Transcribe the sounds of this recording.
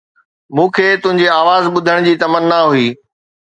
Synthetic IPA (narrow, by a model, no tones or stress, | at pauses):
mũːkʰeːt̪ʊ̃ɦɪ̃ɲd͡ʑeaːʋaːzɓʊd̪ʱəɽ̃d͡ʑiːt̪ɐmənːaɦuiː